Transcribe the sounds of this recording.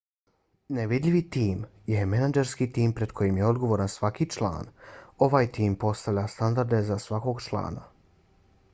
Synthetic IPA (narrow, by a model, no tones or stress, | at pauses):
neʋid̪ʎʲiʋit̪iːmjemenad͡ʒeɾskit̪iːmpɾe̞d̪kʰo̞jimje̞o̞d̪ɡo̞ʋoɾansʋakit͡ʃlˠa̰ːno̞ʋaːjt̪iːmpo̞st̪aʋʎʲast̪and̪aɾd̪e̞zasʋako̞ɡt͡ʃlˠa̰ːna